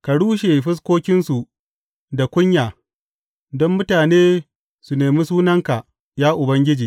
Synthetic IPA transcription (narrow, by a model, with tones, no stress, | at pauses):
ka˨ɽuː˦ʃ̬e˨ɸɪ˦s̬kʷoː˦kʲɪ˦nsu˨ | da˨kʷʊ˦ɲjaː˨ | dɔ˦mːʊ˦taː˨neː˦ | su˨neː˨miː˦suː˦nɐ˦ŋka˨ | jaː˦ʔʊ˨bɐ˦ŋɡʲɪ˦d͡ʒiː˨